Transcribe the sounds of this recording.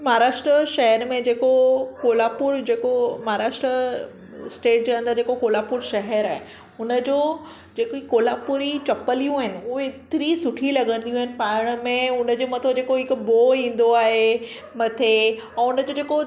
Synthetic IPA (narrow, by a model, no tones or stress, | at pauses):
maɦɾaːʃʈɾəʃɐɦəɾmẽd͡ʑeːkokoːlaːpʊɾd͡ʑeːkomaɦaɾaːʃʈɾə | sʈeːʈ̚d͡ʑoə̃nd̪əd͡ʑeːkokoːlaːpʊɾʃɐɦəɾaːɦe | ʊnə̆d͡ʑoː | d͡ʑeːkoikoːlaːpʊɾit͡ɕɐpəlijũaːɦɪnɪ̆ʊɦeɪt̪ɪɾisʊʈʰilɐɠə̃n̆d̪ijũaɦɪnɪ̆paːɽ̃mẽʊnəd͡ʑoːmɐt̪ʰod͡ʑeːkoɦɪkboːɦĩːn̆d̪oaːɦe | mɐt̪ʰe | ɛ̃ːʊnəd͡ʑod͡ʑeːko